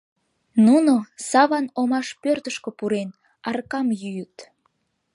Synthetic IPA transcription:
nunosɑβɑnomɑʃpørt̪əʃkøpuɾen | ɑrkɑmjyjət̪

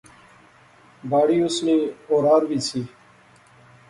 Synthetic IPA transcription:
baːɽiːʊsniːoːɾaːɾʋiːsʰiː

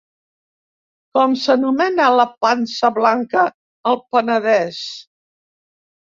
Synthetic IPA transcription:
kɔmsənumɛnələpansəβlaŋkəː | lˠpənəðɛs

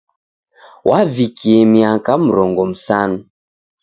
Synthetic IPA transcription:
wʔavikiɛmiakam̩ɾɔŋɡɔm̩sanu

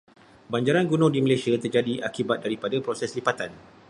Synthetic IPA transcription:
baɲd͡ʒaɾanɡunɔ̃diməlajsiat̪ərd͡ʒadiʔakibat̪̚daɾipadapɾosɛslipat̪an

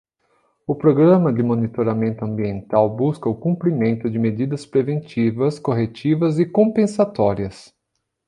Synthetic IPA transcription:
ʊpɾoɡɾɐ̃mɐd͡ʒɪmonit̪oɾamẽnt̪ʊɐ̃mbiẽnt̪awbuskɐʊkũmpɾimẽnt̪ʊd͡ʒɪmed͡ʒid̪ɐspɾevẽnt͡ʃivɐskoɦet͡ʃivɐzɪkõpẽsat̪ɔɾiɐs

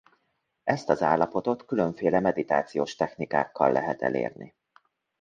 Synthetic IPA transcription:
ɛst̪ɒzaːlːɒpo̞t̪o̞t̪kylø̞ɱfeːlɛmɛd̪it̪aːt̪sijoːʃt̪ɛxnika̰ːkːɒ̰lːʔɛɦɛt̪ɛ̰lḛːrnḭ

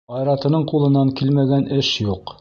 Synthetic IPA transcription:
ɑjɾɑt̪ɤ̆nɤɴqulˠɤ̆nɑŋkilmæɡænʔɘʃjuq

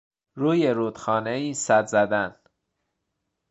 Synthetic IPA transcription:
ɾuːjeɾuːd̪xɒːneiːsæd̪zæd̪æn

